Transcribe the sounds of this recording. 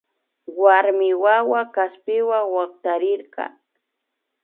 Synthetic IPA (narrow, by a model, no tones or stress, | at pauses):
waɾmɪwawakaspɪwaŋwɑqt̪aɾɪɾɢɑ̰